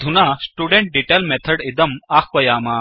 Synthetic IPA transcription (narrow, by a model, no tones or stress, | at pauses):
d̪ʱunaːsʈuːɖẽɳʈ̚ɖiʈeːlmet̪ʰɐɖid̪ɐmaːkʰʋɐjaːmaː